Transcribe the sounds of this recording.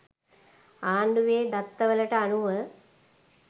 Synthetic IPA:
aːɳɖuʋeːd̪ɐt̪ːɐʋɐlɐʈɐɐnuʋɐ

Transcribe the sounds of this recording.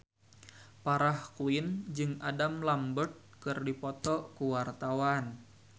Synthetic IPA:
paɾahkuɪnd͡ʒɨŋadamlambərt̪̚kɨrdipɔt̪ɔkuwart̪awan

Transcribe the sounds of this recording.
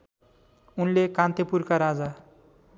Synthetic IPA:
unlekãnt̪epurkaɾad͡za

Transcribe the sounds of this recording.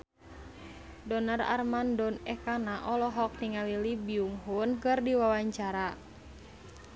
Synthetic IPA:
dɔnara̰rmandɔnɛkanaʔɔlɔɦɔk̚niŋalilibiuŋɦunkɨrdiwawaɲt͡ʃaɾa

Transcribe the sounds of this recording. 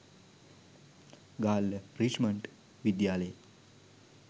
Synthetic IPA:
ɡalɾit͡ʃməɳʈ | ʋid̪jalej

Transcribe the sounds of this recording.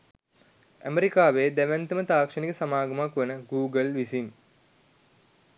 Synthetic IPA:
æ̰meɾikaːʋeːd̪æʋɛnt̪əmət̪aːkʂənikəsamaːɡɐmakʋənəɡuːɡəlʋisin

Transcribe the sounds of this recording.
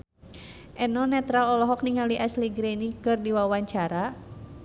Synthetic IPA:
ʔɛnɔnɛt̪ɾalɔlɔɦɔk̚niŋaliʔasliɡɾɛnikɨrdiwawaɲt͡ʃaɾa

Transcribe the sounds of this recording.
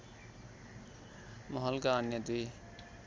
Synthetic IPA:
mʌɦʌlkaːnjʌd̪i

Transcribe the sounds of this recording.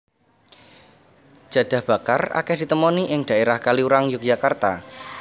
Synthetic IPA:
d͡ʒ̥a̤d̪̥a̤hb̥akara̰kɛhd̪̥i̤t̪əmɔniʔɪŋd̥a̤eɾahkaliuɾaŋjʊk̚d͡ʒakart̪a̰

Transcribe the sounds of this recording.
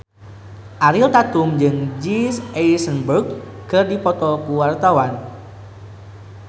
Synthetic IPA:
ʔaɾilt̪at̪ʊŋd͡ʒɨŋd͡ʒisesənburk̚ | kərdipɔt̪ɔkuwart̪awan

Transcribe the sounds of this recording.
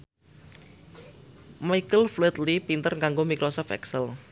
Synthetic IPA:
majkəlflɛt̪lipint̪ərŋɡaŋɡomikɾɔsɔft̪ɛ̰ksəl

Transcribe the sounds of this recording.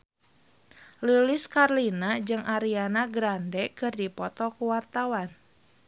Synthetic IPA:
luliskarlinad͡ʒɨŋʔaɾianaɡɾandɛkɨrdipɔt̪ɔkuwart̪awan

